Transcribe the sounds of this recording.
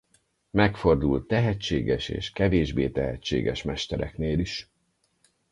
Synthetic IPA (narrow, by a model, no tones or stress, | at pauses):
mɛkfo̞rd̪ult̪ːɛɦɛt͡ʃːeːɡɛʃḛːʃkɛveːʒbeːt̪ɛɦɛt͡ʃːḛːɡɛʃmɛʃt̪ɛɾɛ̰kneːliʃ